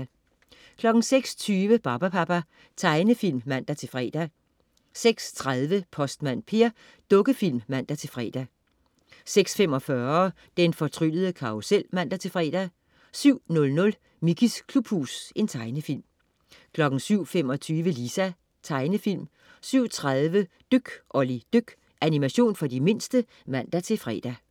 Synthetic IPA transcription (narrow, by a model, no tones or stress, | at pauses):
kʰlɒ̽ɡ̥ŋ̩seɡ̥st͡sʰyːʋəb̥ɑ̈b̥æpʰɑb̥æ | t͡sʰɑ̈ɪnəfil̰mmæn̰d̥æt͡sʰe̝fʁɛ̰ːd̥æ | seɡ̥st͡sʰʁaðˠʋəpʰɒ̽sd̥mæn̰pʰe̝ɐ | d̥ɔ̽ɡ̥əfil̰mmæn̰d̥æt͡sʰe̝lfʁɛ̰ːd̥æ | seɡ̥sfem̰ɒ̽fɶɐ | d̥enfɒ̽t͡sʰʁyləð̩ˠəkʰɑ̈osel̰mæn̰d̥æt͡sʰe̝fʁɛ̰ːd̥æ | syʊ̰nɔ̽lnɔ̽l | mikʰiskʰlub̥hṵːse̝nt͡sʰɑ̈ɪnəfil̰m | kʰlɒ̽ɡ̥n̩syʊ̰fem̰ɒ̽t͡sʰyːʋəlisæ | t͡sʰɑ̈ɪnəfil̰m | syʊ̰t͡sʰʁaðˠʋə | d̥øɡ̥ʔɒ̽lid̥øɡ̥ | ʔænimæɕo̝̰ːnfɒ̽d̥ime̝n̰sd̥ə | mæn̰d̥æt͡sʰe̝fʁɛ̰ːd̥æ